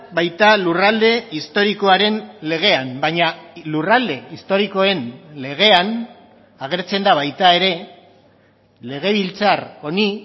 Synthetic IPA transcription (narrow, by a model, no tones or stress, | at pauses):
bajt̪alurald̪e̞ist̪o̞ɾiko̞aɾe̞nle̞ɣ̞e̞ambaɲalurald̪e̞ist̪o̞ɾiko̞e̞nle̞ɣ̞e̞an | aɣ̞e̞ɾt͡se̞nd̪aβajt̪ae̞ɾe̞ | le̞ɣ̞e̞βilt͡saro̞ni